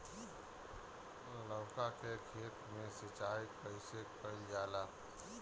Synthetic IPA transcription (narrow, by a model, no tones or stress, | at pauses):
ləʊkakekʰeːt̪mẽsɪt͡ʃaːipəɪsekəijaːla